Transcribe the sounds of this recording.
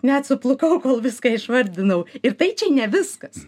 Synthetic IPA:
nʲɛt̪sʊplˠʊkɐʊkoːlˠʋʲɪskɑɪʃʋɐɾʲd̪ʲɪnɐʊɪɾt̪ɐɪt͡ʃʲɛnʲɛʋʲɪskɐs

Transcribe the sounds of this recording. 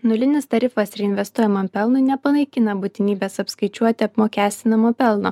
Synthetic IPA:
nʊlʲɪnʲɪst̪ɐɾʲɪfɐsɪɾɪnʲʋʲɛst̪uɔjɛmɐmpʲɛlˠnʊnʲɛpɐnɐɪkʲɪnɐbʊt̪ʲɪnʲiːbʲeːsɐpskɐɪt͡ʃʲuɔt̪ʲɪɐpmoːkʲæːsʲt̪ʲɪnɐmoːpʲɛlˠno̰

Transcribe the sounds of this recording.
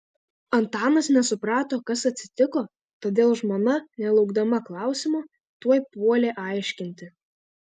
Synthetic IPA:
ɐnt̪ɑːnɐsnʲɛsʊpɾɑːt̪oːkɐsɐt̪ʲsʲɪ̥t̪ʲɪkoː | t̪oːd̪ʲeːlˠʒmoːnɐnʲɛlˠɒʊɡd̪ɐmɐklˠɑˑʊsʲɪmoː | t̪uɔjpuɔlʲeːʔɑˑɪʃʲkʲɪnʲt̪ʲɪ

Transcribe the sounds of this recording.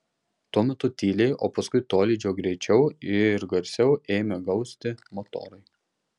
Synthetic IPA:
t̪uɔmʲɛt̪ʊt̪ʲiːlʲɛɪʔoːpɐskʊɪt̪oːlʲiːd͡ʒʲoːɡɾʲɛɪt͡ʃʲɛʊɪɾɡɐɾʲsʲɛʊeːmʲɛɡɒʊsʲt̪ʲɪmot̪o̰ːɾɐɪ

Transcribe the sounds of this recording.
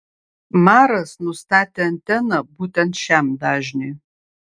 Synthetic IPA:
maːɾɐsnustʰaːtʰɐntʰɐnɐbutʰʼɐnʃaːmdaːʒni

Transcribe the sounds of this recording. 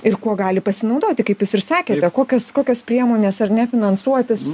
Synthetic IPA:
ɪrkuɔɡɑːlʲɪpɐsʲɪnɐʊd̪oːt̪ʲɪkɐɪpjuːsɪrsɑːkʲeːt̪ʲɛkoːkʲɛskoːkʲoːspʲɾʲiɛmoːnʲeːsɐrnʲɛfʲɪnɐnsuɔt̪ʲɪs

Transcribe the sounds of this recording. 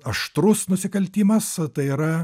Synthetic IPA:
ɐʃt̪ɾʊsnʊsʲɪkɐlʲt̪ʲiːmɐst̪ɐɪiːɾɐ

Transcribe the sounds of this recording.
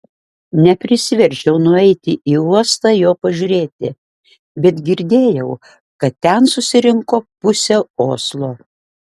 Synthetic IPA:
nʲɛpʲɾʲɪsʲʋʲɛɾʲʒʲɛʊnʊɛɪt̪ʲɪʔiːuɔst̪ɑːjoːpɐʒʲʊɾʲeːt̪ʲɪ | bʲɛt̪ɡʲɪɾʲd̪ʲeːjɛʊ | kɐt̪t̪ʲːɛnsʊsʲɪɾʲɪŋkoːpʊsʲɛoːslˠoː

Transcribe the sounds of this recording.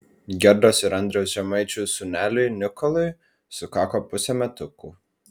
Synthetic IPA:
ɡʲɛɾd̪oːsɪɾɐnʲd̪ʲɾʲɛʊsʒʲɛmɐɪt͡ʃʲʊsʊnʲæːlʲʊjnʲɪkɔlˠʊɪ | sʊkɑːkoːpʊsʲɛmʲɛt̪ʊkuˑ

